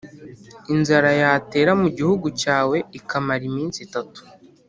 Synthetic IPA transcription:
inzaɾajate̞ːɾamuɟihuɡucaːwe̞ikamaɾimiːnsitatu̥

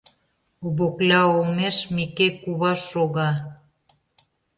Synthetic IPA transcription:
oβoklɑolmeʃmikekuβɑʃoɣɑ

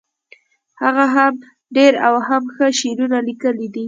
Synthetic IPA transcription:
haɣaɦam | ɖeɾawɦamxəʃeɾunalikəlid̪i

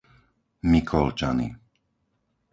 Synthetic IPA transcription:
mikʰɔlt͡ʃa̰nḭ

